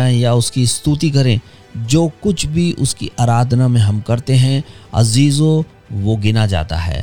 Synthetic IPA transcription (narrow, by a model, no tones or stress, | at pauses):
ẽjaʊskist̪uːt̪ikɐɾẽ | d͡ʒoːkʊt͡ʃʰbʱiʔʊ̰skḭʔaːɾaːd̪ʱnamẽɦɐmkɐɾt̪eɦɛ̃ɐ̰ziːzo | ʋoɡɪnad͡ʒa̰ːt̪a̰ɦɛ̰ː